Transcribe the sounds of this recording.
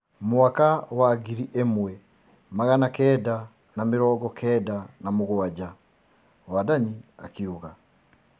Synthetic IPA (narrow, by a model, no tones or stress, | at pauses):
mwakawaɡiɾiʔemwɛ | maɣanakɛːda | namiɾɔːɡɔkʰɛːdanamuɣuaɟa | wadaɲia̰kiuɣa